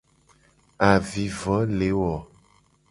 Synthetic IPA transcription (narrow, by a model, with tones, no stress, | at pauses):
a˨vi˨vɔ˨˦le˨˦wɔ˨